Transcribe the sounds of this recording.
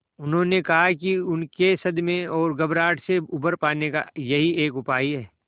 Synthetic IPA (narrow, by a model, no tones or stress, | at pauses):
ʊnɦõːnekɐɦakiʊnkesɐd̪mẽɔːɾɡɐbɾaːʈʰseʊbəɾpaːneka̰jɐɦieːkʊpaːiɦɛː